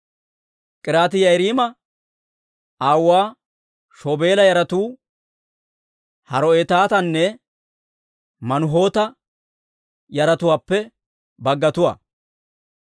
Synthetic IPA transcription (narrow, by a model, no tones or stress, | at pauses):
kʼɪɾaːt̪ɪjɐjɾiːmɐ | aːwːaː | ʃoːbeːlɐjɐɾɐt̪uː | hɐɾɔeːt̪aːt̪ɐnːɛ | mɐnʊɦo̞ːt̪ɐ | jɐɾɐt̪ʊwaːpːɛ | bɐɡːɐt̪ʊwa̰ː